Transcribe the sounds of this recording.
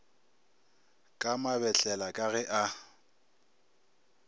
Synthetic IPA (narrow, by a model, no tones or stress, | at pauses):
kʼamabɛɬʼɛlakʼaɣɛʔa